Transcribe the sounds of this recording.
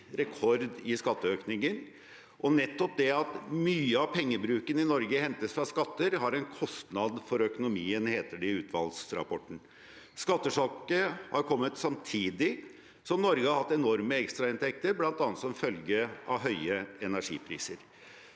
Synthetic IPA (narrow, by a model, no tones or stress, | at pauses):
ɾɛkʰɔɾd̪ɪskɑt̪ːəøːknɪŋən | ʔɔnɛt̪ːɔp̚d̪ɛɑt̪myːəɑʋpʰɛŋːəbɾʉːkənɪnɔɾɡəhɛnt̪əsfɾɑskɑt̪ːəɾɦɑɾɛnkʰɔst̪nɑd̪fɔɾœkʊnʊmiːənheːt̪əɖɪʉːt̪ʰʋɑ̰lsɾɑ̰pʰɔʈːɳ̩ | skɑt̪ːəʂɑkəhɑɾkʰɔmːət̪sɑmt̪ʰiːd̪ɪ | sɔmnɔɾɡəhɑɾhɑt̪ːɛnɔɾməɛkst̪ɾɑɪnt̪ʰɛk̚t̪əɾblɑnt̪ɑːnət̪sɔmfœlɡəɑ̰ʋɦœʏəɛnæʂḭːpʰɾḭːsəɾ